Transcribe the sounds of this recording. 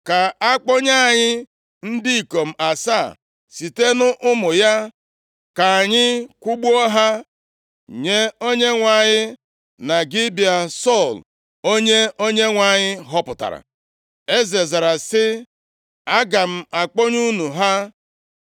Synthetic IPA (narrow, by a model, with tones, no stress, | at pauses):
ka˨a˦k͡pɔ˦ɲa˦a˨ɲɪ˦ | n̩˦di˦i˨ko˨m̩˨˦a˨sa˦˨ | si˨te˦nʊ˦ʔʊ˦mʊ˨ja˦ | ka˨a˨ɲɪ˦kʷʊ˦ɡ͡bɔ˦ɦa˦ | ɲe˦o˦ɲe˦ŋʷa˨ɲɪ˦ | na˨ɡɪ˦bi˨a˨sɔ˦˨l | o˦ɲe˦o˦ɲe˦ŋʷa˨ɲɪ˦ɦɔ˦pʊ˨ta̰˨ɾa̰˨ | e˦ze˨za˨ɾa˨sɪ˦ | a˦ɡa˨m̩˦˨a˨k͡pɔ˦ɲu˦nu˨ɦa˦